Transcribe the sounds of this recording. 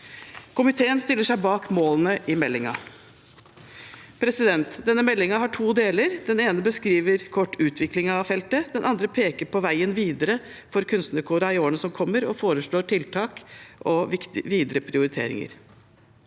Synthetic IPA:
kʰʊmɪt̪ʰeːənst̪ɪlːəʂæɪbɑːkmoːlənəʔɪmɛlːɪŋɑ̰ | pʰɾɛsɪd̪ɛnt̪d̪ɛnːəmɛlːɪŋɑɦɑʈʰuːd̪eːləɾd̪ɛneːnəbəskɾiːʋəɾkʰɔʈːʉːt̪ʰʋɪklɪŋɑʋfɛlt̪əd̪ɛnʔɑnd̪ɾəpʰeːkəɾpʰɔʋæɪənʋiːd̪əɾə | fɔɾkʰʉnst̪nəkʰuːɾɑɪoːəɳəsɔmkʰɔmːəɾɔfoːɾəʂɭoːʈʰɪlt̪ʰɑːkʔɔɪt̪ɪʋiːd̪əɾəpʰɾɪʊɾɪt̪ʰḛːɾɪ̰ŋə̰ɾ

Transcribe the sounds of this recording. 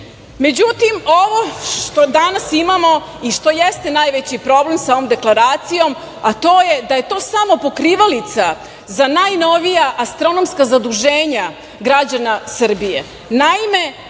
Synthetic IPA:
me̞d͡ʑut̪imo̞ʋo̞ʃt̪o̞d̪anasimamo̞ | iʃt̪o̞jest̪e̞najʋet͡ɕipɾo̞ble̞msao̞ʋo̞md̪e̞klˠaɾaːt̪sijo̞m | at̪o̞ːjed̪aje̞t̪o̞ːsamo̞po̞kɾiʋalit̪sa | zanajno̞ʋijaʔast̪ɾo̞no̞mskazad̪uʒe̞ːɲa | ɡɾad͡ʑanasr̩bijḛ | naime̞

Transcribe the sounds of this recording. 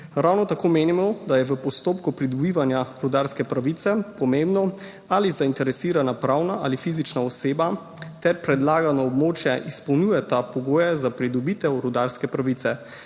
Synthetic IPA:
ɾawnɔt̪akoːmeːnimɔd̪ajɛʋəpɔst̪oːpkupɾid̪ɔbiːʋanjaɾud̪aɾskɛpɾaʋiːt̪sɛpɔmembnɔ | alizaint̪ɛɾɛsiːɾanapɾawnaʔalifiːzit͡ʃnaɔseːba | t̪ɛɾpɾɛd̪laːɡanɔːbmoːt͡ʃjɛʔispɔwnuːjɛt̪apɔɡoːjɛzapɾid̪ɔbiːt̪ɛwɾud̪aɾskɛpɾaʋit̪sɛ

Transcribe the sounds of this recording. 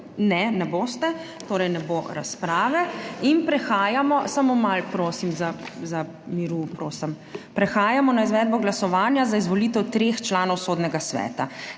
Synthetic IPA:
nɛnɛboːst̪ɛ | t̪oːɾɛjnɛboɾaspɾaːʋɛinpɾɛxaːjamɔsamomalpɾoːsimzaza | miɾupɾoːsəm | pɾɛxaːjamɔnaizʋɛːd̪̚bɔɡlasɔʋaːnjazaizʋɔliːt̪ɛwt̪ɾext͡ʃlaːnɔwsoːd̪nɛɡasʋɛ̰ːt̪a

